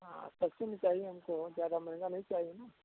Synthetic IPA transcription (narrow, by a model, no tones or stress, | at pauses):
ɦã̰ːspɐst͡ʃʰenĩt͡ʃaːɦieɦɐmkozjaːd̪amɐɦŋɡanɐɦĩt͡ʃaːɦienaː